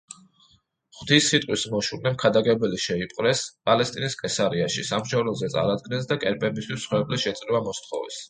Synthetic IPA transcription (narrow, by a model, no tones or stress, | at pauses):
χwt̪ʰisːit̪ʼwismɔʃuɾnɛmkʰad̪aɡɛbɛliʃɛipʼqʼɾɛspʼalɛst̪ʼiniskʼɛsaɾiaʃḭsamʃavlɔzɛt̪sʼa̰ɾad̪̚ɡnɛns̬d̪akʼɛɾpʼɛbist̪ʰwisːχwɛblɛʃɛt̪sʼɾivamɔst̪ʰχɔ̰vɛ̰s